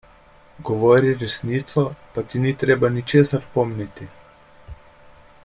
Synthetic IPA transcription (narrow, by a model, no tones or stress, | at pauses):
ɡɔʋɔːɾiɾɛsniːt̪sɔpat̪init̪ɾeːbanit͡ʃeːsaɾpɔmnit̪i